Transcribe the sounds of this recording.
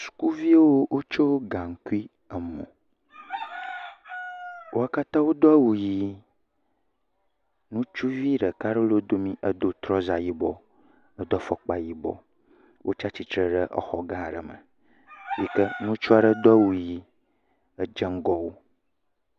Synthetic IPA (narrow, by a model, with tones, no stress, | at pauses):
su̥˨ku˦vi˦e˦wo˦wʔo˦t͡ʃo˦ɡã˨ŋ̩˨ku˦i˦ | ə˨mɔ̰̃˨ | wʔo˦a˦ka˦t̪ã˦wo˦d̪ɔ˦a˦wu˨ji˦ | nũ˦t͡ʃu˦vi˦ɖə˨ka˦ɖe˦lo˦d̪o˦mĩ˦ʔə˦d̪o˦t̪ɾɔ˦za˨ji˦bɔ˦ | ə˦d̪ɔ˦fɔ˨k͡pa˨ji˦bɔ̰˦ | wʔo̰˦t͡ʃa˦t͡ɕi˨t̪ɾə˨ɖə˦ʔə̰˦˨xɔ˨ɡã˦˨ɖə̰˨mə̰̃˨ | ji˦kə˦nũ˦t͡ʃu˦a˦ɖə˦d̪ɔ˦a˦wu˨ji˦ | ə˦d͡ʒə˦ŋ˦ɡɔ˦wo˦